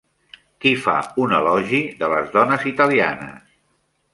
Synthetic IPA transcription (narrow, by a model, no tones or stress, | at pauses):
kifa̰unəlɔʒiðələzðɔnəzit̪əlia̰nə̰s